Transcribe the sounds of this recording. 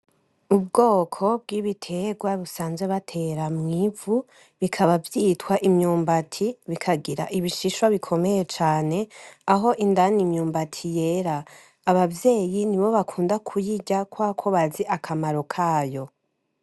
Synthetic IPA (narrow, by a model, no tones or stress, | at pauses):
ub̚ɡo̞ːkʰo̞bɡiβitʰe̞ɡwaβusaːnzeβatʰe̞ɾamŋiːvu | βikʰaβavjitwaʔimɲuːmbatʰiβikʰaɡiɾa̰ʔiβiʃiʃwaβikʰo̞me̞je̞t͡ʃaːne̞aɦo̞ʔindanimɲuːmbatʰije̞ɾaː | βavje̞ːjiniβo̞βakʰuːndakʰujiɟakwaːkʰo̞βaziʔakʰamaɾo̞kʰaːjo̞